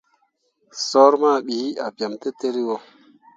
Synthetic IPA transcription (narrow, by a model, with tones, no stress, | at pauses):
sɔ˦ɾma˦˨ɓi˨˦a˨pja˨mte˦te˦ɾi˦wo˨